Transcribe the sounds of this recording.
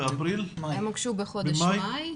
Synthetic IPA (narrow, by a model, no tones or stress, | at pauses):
apɾilemaɡʃubeχodb̪majj